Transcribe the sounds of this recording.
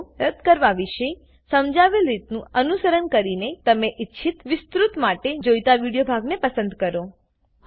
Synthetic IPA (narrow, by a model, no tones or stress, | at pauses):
ɾəd̪kəɾʋaʋiʃəj | səmd͡ʒaʋelɾit̪nũənusəɾənkəɾinet̪əmeʔitːʃʰit̪ʋɪst̪ɾut̪maʈed͡ʒojt̪aʋiɽijobʱaɡnepəsə̃nd̪kəɾo